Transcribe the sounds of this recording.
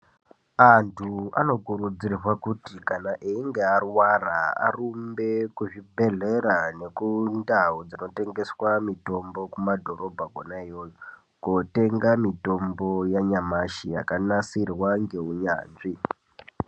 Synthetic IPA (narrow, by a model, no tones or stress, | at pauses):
antʰua̰no̞kuɾud͡zirrwakutikanaʔiːŋɡearwaraa̰rumbe̞kuʐibʱe̞ɮe̞ɾane̞kundaud͡zino̞te̞ŋɡe̞swamito̞mbo̞kumadʱo̞rʔo̞bʱaɡʱo̰naejoj | kote̞ŋɡamito̞mbo̞jaɲamaʃija̰kanasirwaŋɡe̞uɲa̰ːnʐi